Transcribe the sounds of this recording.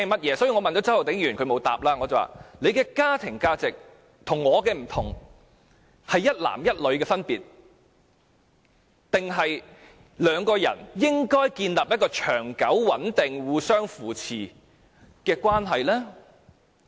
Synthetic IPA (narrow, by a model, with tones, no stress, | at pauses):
mɐ˥t̚jɛː˨˧˥sɔː˨˥ji˨˧ŋɔː˨˧ɐ˨nt͡ʃɔː˨˥t͡sɐ˥hɐ˨wt̪ɪ˨˥ŋjyː˨˩nkʰɵ˨˧ɥmo˨˧wt̪a̰ː˨p̚laː˥ŋɔ˨˧t͡sɐ˨˩wa̰ː˨le˨˧jkɛː˧kaː˥t̪ʰɪ˨˩ŋkaː˥t͡sɪ˨k̚ | t̪ʰʊ˨˩ŋːɔː˨˧kɛː˧m̩˨˩t̪ʰʊ˨˩ŋ | hɐ˨jːɐ˥t̚la̰ː˨˩mjɐ˥t̚lɵ˨˧ɥkɛː˧fɐ˥npiː˨t̚ | t̪ɪ˨ŋɦɐ˨j | lœː˨˧ŋkɔː˧jɐ̰˨˩njɪ˥ŋkɔː˥jkiː˧nlaː˨p̚jɐ˥t̚kɔː˧t͡ʃʰœ̰ː˨˩ŋkɐ˨˥wwɐ˨˥nt̪ɪ˨ŋwuː˨˧sœː˥ŋfuː˨˩t͡sʰiː˨˩ | kɛː˧kwaː˥nɦɐ˨jlɛː˥